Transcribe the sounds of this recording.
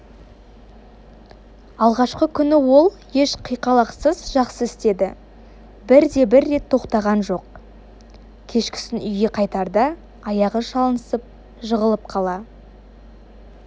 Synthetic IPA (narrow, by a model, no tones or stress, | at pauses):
ɑlˠʁɑʃqəkʲʰʏnɪwo̞lˠ | je̞ʃqʰijqɑlˠɑqsəzʒɑqsəɪst̪e̞d̪ɪ | bɪɾd̪e̞bɪɾːe̞t̪ʰːo̞qt̪ɑʁɑnʒo̞q̚ | kʲʰe̞ʃkʲɪ̥sɪnʏjɡʲe̞qʰɑjt̪ɑɾd̪ɑ | ɑjɑʁəʃɑlˠənəsəp̚ | ʒəʁəlˠəp̚qʰɑlˠɑ